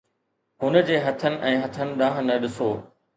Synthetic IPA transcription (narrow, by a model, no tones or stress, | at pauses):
ɦʊnə̆d͡ʑeːɦɐt̪ʰənɪ̆ʔɛ̃ːɦɐt̪ʰənɪ̆ɗãːɦənɐɗɪsoː